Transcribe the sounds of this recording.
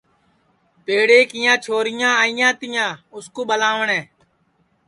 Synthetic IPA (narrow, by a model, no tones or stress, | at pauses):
peːɽeːkɪjãːt͡ʃʰoːɾɪjãːɪjãːt̪ɪjãːʊskoːɓəlãːʋəɳɛ̃ː